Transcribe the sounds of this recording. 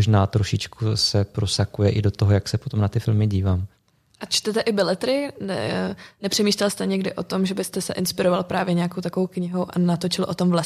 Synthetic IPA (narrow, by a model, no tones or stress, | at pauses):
ʒnaːt̪ɾoʃɪt͡ʃkusɛpɾo̞sakujɛʔɪdo̞t̪oɦojaksɛpot̪omnat̪ɪfɪlmɪɟiːvaːm | ʔat͡ʃt̪ɛt̪ɛʔɪbɪlɛt̪ɾɪnɛ̰nɛpr̥ɛmiːʃlɛlst̪ɛɲɛɡdɪʔo̞t̪o̞mʒɛbɪst̪ɛsɛ̰ʔɪnspɪɾovalpɾaːvjɛɲɛakowt̪akovowkɲɪɦo̞wʔanat̪o̞t͡ʃɪlʔo̞t̪o̞mvla